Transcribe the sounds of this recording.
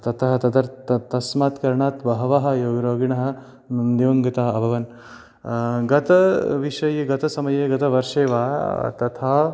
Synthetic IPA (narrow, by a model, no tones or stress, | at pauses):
t̪ɐt̪ʰɐɦɐ̆t̪ɐd̪ɐɾt̪ɐt̪ɐsmaːt̪kɐɾɳaːt̪ʋɐɦɐʋaɦɐ̆joːɡɐɾoːɡiɳɐɦɐ̆ | numd̪iʋɐŋɡɐt̪aːɐbʱɐʋɐn | ɡɐt̪ɐʋiʂɐjeɡɐt̪ɐsɐmɐjeːɡɐt̪ɐʋɐɾʂeːʋaːt̪ɐt̪ʰaː